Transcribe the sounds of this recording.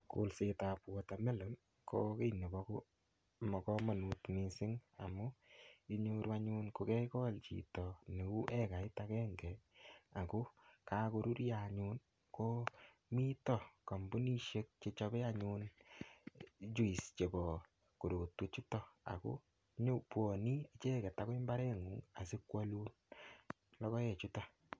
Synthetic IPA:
kṵ˨lse˨ta˨pwɔ˨ta˨mɛ˦lɨ˨˦m | kʰo˦ke˦ne˨bɔ˧kʊ˦ | mɔ˨kɔ˦ma˨nu˨tmi˨sɪ˦ŋa̰˨mu˦i˦ɲo˦ɾwaɲu˦nko˨kɛ˦kɔ˦lt͡ʃḭ˨tɔ˨ne˨u˦ʔɛ˦ka˨ɪ˦ta˧kɛ˦ŋɡɛ˨a˨ku˦ka˦ku˧ɾu˦ɾjaɲu˧n | ko˦ | mi˦tɔ˦˨ka˨mbu˦ni˦ʃe˦k̚t͡ʃe˧t͡ʃɔ˧bɛ˦a˦ɲu˧n | t͡ʃu˦i˨st͡ʃe˨bɔ˨ | ko˨ɾo˨twe˦t͡ʃu˦tɔ˦a̰˨kṵ˦ | ɲo˦pwɔ˨ni˦e˦t͡ʃɛ˦ke˨ta˦ko˦i˦mba˦ɾɛ˦ŋu˨ŋa˨sɪ˦kwa˦lu˦n | lɔ˦kɔ˦je˨t͡ʃu˦tɔ˦

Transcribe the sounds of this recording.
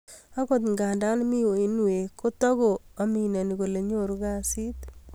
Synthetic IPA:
a˦ko˨t̪̬ŋɡa˨nda˦nmi˦o˨i˦nwe˨ko˦tɔ˦ɡo˨a˨mi˨nɛ˨ni˨ko˨le˨ɲo˦˨ɾu˨˦ɡa˦si˦t̪

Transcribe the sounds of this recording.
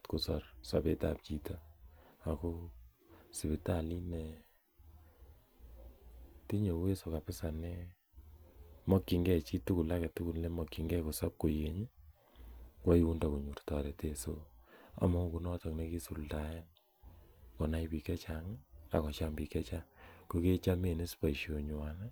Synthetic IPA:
tku˨sɔ˨rsa̰˨pe˦ta̰˨p̚t͡ʃi˨tɔ˦a˨ko˦ | si˨bɪ˨ta˦˨li˦nɛ˨ | ti˦ɲo˨we˦so˨ka˨pɪ˦sa˨nɛ˦ | mɔ˦kːi˨ŋɡɛ˦t͡ʃi˦tu˦ku˨la˦kɛ˨tu˦ku˨nle˦mɔ˨kːi˨ŋɡɛ˦ko˨sɔ˦p̚ko˨je˨ɲ˦ | kwa˦i˦u˦nda˨ku˨ɲu˨rtɔ˨ɾɛ˨te˦so˦a̰˨mɔ˦ku˨nɔ˦tɔ˨kne˦ki˦su˨lta˨je˦n | kɔ˨na˦jpi˨kɛ˦t͡ʃa˨ŋa̰˨kɔ˨t͡ʃa˦mbi˨kɛ˦t͡ʃa˦ko˦ke˦t͡ʃa˦me˨ne˦spa˨i˨ʃo˨ɲ˨wa˨na˦

